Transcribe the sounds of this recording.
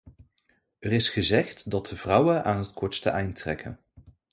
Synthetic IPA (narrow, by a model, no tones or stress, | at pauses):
ərɪsχəzɛχtdɑt̚dəvrʌwənʔaːnɦətkɔɹtstə̰ʔɛjntrɛ̰kə̰n